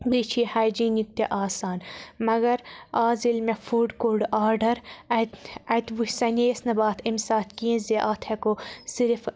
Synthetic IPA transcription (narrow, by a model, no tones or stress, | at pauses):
bit͡ʃʰiːhaːjd͡ʒiːnjuk̚t̪eʔaːsaːnmɐɡɐɾaːzilmefuːɖkoːɾɖaːɾɖɐɾɐt̪ɐt̪ʋusɐneːsnɐbaːt̪ʰimsaːt̪kiẽzeʔaːt̪ʰekosiɾf